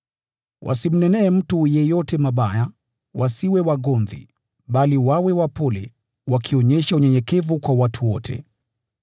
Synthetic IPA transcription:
wʔa̰sim̩nɛnɛːm̩tujɛjɔtɛmaɓaja | wʔasiwɛwaɠɔnðḭ | ɓaliwawɛwapɔlɛ̰ | wakʰiɔɲɛʃauɲɛɲɛkɛvukwawatʰuwɔtʰɛ̰

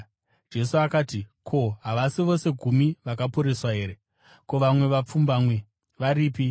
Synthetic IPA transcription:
d͡ʒe̞suakaːtikʰo̞ɦaʋasiʋo̞se̞ɡʱumiʋakapuɾeswaɦe̞ːɾe | ko̞ʋamwe̞ʋap͡fumbaːmwe̞ | ʋaɾiːpi

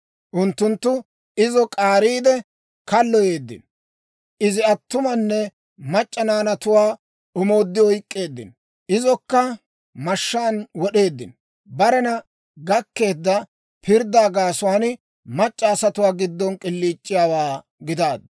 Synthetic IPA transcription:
ʔʊnt̪ːʊnt̪ːʊ | ɪzɔkʼaːɾiːd̪ɛ | kɐlːɔje̞ːd̪ːɪ̰n | ʔɪzɪɐt̪ːʊmɐnːɛ | mɐt͡ʃʼːɐnaːnɐt̪ʊwaː | ʊmo̞ːd̪ːɪɔjkʼːe̞ːd̪ːɪ̰n | ʔɪzɔkːɐ | mɐʃːaːnwɔɗe̞ːd̪ːɪ̰n | bɐɾɛnɐ | ɡɐkːe̞ːd̪ːɐ | pɪɾd̪aːɡaːsʊwaːn | mɐt͡ʃʼːɐːsɐt̪ʊwaːɡɪd̪ːɔnkʼɪlːiːt͡ʃʼːɪjaːwaː | ɡɪd̪aːd̪

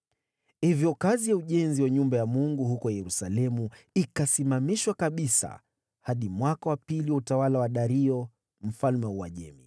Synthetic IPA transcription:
hivjɔkazijauʄɛnziwaɲumbajamuŋɡuɦukɔjɛɾusalɛmu | ikasimamiʃwakaɓisa̰ | haɗimwakawapiliwautawalawaɗaɾiɔ | m̩falmɛuwaʄɛmḭ

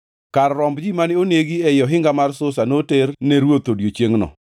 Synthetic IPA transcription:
kaɾɾɔmbd͡ʒimanɪoneɡiɛjɔɦɪŋɡamarsʊsanoternɛɾwot̪odjot͡ʃjeŋnɔ̰

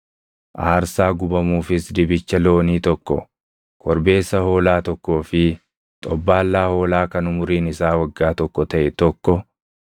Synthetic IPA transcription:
ʔaːɾsaːɡʊbɐmuːfɪsd̪ɪbɪt͡ʃːɐlo̞ːniːt̪ɔkːɔ̰ | kʰɔɾbe̞ːsːɐho̞ːlaːt̪ɔkːo̞ːfɪ | t̪ʼɔbːaːlːaːho̞ːlaːkɐnʊmʊɾiːnɪsaːwɐɡːaːt̪ɔkːɔt̪ɐʔɛt̪ɔkːɔ

